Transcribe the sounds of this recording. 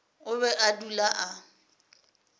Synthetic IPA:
ʊβɛʔadulaʔa

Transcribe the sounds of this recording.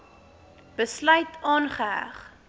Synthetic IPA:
b̥əslœɥtʰɑːnχəɦæ̰χ

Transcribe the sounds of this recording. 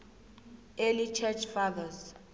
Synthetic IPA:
elit͡ʃʰɛt͡ʃʰfaðas

